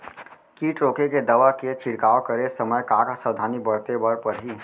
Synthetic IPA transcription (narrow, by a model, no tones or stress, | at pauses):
kiːʈɾoːkeked̪əʋaket͡ʃʰɪɽkaːokəɾesəməjkaksəwd̪ʱaːnibəɾt̪ebəɾpəɾɦiː